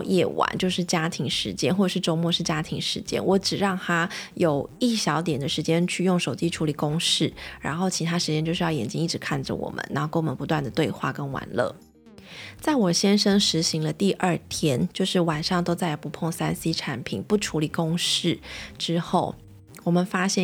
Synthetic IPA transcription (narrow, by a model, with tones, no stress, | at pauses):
jɛ̰˥˩wa̰˨˩˦nt͡ɕjo˥˧ʊʂɻ̩˥˩t͡ɕja˥t̪ʰi˧˥ŋʂɻ̩˧˥t͡ɕjɛ˥nxwɔ˥˩˨ʂɻ̩˥˩ʈ͡ʂo˥ʊmwɔ˥˧ʂɻ̩˥˩t͡ɕja˥t̪ʰi˧˥ŋʂɻ̩˧˥t͡ɕjɛ̰˥nwɔ˧˥ʈ͡ʂɻ̩˨˩ɻɑ˥˩ŋt̪ʰa˥jo˨˩ʊi˥˩ɕjɑ˧˥ʊt̪jɛ˨˩nd̪ə˦ʂɻ̩˧˥t͡ɕjɛ˥nt͡ɕʰy˥˧jʊ˥˩ŋʂo˨˩ʊt͡ɕi˥ʈ͡ʂʰu˧˥li˨˩kʊ˥ŋʂɻ̩˥˩ɻa̰˧˥nxo˥˩ʊt͡ɕʰi˧˥t̪ʰa˥ʂɻ̩˧˥t͡ɕjɛ˥nt͡ɕjo˥˧ʂɻ̩˥˧jɑ˥˩ʊjɛ˨˩nt͡ɕi˥ŋi˥˩ʈ͡ʂɻ̩˧˥kʰa˥˩nʈ͡ʂə̰˩wɔ̰˨˩mə̰˦nːa˧˥o˥˩ko˥ŋmə˧˦npu˧˥t̪wa˥˩nd̪ə˩t̪we˥˧ɪxwa̰˥˩kə˥nwa̰˨˩˦nlɤ̰˥˩ | t͡sa˥˩ɪwɔ˨˩ɕjɛ˥nʂə˥ŋʂɻ̩˧˥ɕi˧˥ŋlə˧t̪i˥˧ʔə˞˥˩t̪ʰjɛ˥nt͡ɕjo˥˧ʊʂɻ̩˥˩wa˨˩nʂɑ˥˩ŋt̪o˥ʊt͡sa˥˩ɪpu˧˥pʰo˥˩ŋsa˥nsi˥ʈ͡ʂʰa˧˥˦npʰḭ˨˩˦npu˥˩ʈ͡ʂʰu˧˥li˨˩kʊ˥ŋʂɻ̩˥˩ʈ͡ʂɻ̩˥xo˥˩ʊ | wɔ˨˩mə˨nfa˥ɕjɛ˥˩n